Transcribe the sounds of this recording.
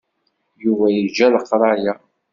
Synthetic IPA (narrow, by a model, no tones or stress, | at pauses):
juvæjəd͡ʒːæləqːɾˤɑja